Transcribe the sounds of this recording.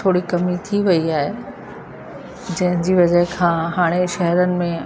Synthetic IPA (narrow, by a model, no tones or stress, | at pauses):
oːɽikɐmit̪ʰiʋɐiaːɦe | d͡ʑɐ̃ɦɪ̃d͡ʑiːʋɐd͡ʑəɦkʰãːɦaːɽ̃eʃɐɦɾənɪ̆mẽ